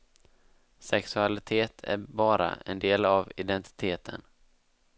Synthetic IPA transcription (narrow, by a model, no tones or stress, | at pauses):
sɛksɵalɪt̪ʰeːt̪ʰæ̰ɾbɑːɾa̰ʔɛnd̪eːlavɪd̪ɛnt̪ɪ̥t̪ʰeːt̪ʰən